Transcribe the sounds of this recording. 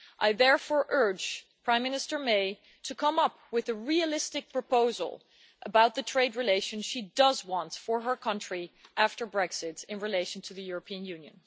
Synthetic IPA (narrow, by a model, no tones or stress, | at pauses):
ʔaɪðɛɹfɔɹʔɜ˞d͡ʒpʰɹ̥ãɪ̃mɪ̃nɨstə˞meɪ | ɾʰɨkʰʌ̃mʌp̚wɨðɨɹiɨlɪstɨk̚pʰɹ̥ɨpoʊz̰l̩ˠ | ʔəbaʊt̪̚ðɨtʰɹ̥eɪdɹileɪʃɨ̃nʃidʌzwɑ̃ntfə˞ə˞kʰʌ̃nt͡ʃɹ̥iʔæftə˞bɹɛksɪɾɨ̃nɹileɪʃn̩tʰɨðɨjʊɹəpʰĩɨ̃njʉ̃njɨ̰̃n